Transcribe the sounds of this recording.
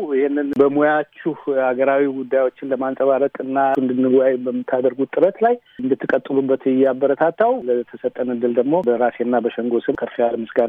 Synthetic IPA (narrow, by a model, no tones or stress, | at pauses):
ɪhenːɨnbəmojat͡ʃːuhaɡəɾawiɡud̪ːajwo̞t͡ʃːɪnləmansʼəβaɾəkʼɨnːand̪ɨnːɨɡwajbəmːɨt̪ʰːad̪əɾɡut̪ʼɨɾət̪laj | ɨnd̪ɨt̪ʰːɨkʼət̪ʼːɨlubːət̪ɪjabːəɾət̪ʰat̪ʰːawlət̪ʰəsət̪ʼːənɨd̪ːɨld̪əɡmo̞bəɾasenːabəʃəŋɡo̞sɨmkʰəɾfijalmɨsɡan